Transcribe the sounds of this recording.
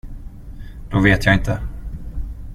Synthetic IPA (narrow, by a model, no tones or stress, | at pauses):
d̪̥oveːt̪jaɪnt̪ʰə